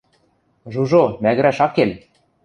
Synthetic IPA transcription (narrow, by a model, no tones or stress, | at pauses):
ʒuʒomæɣɘ̆ɾæʃɑkːel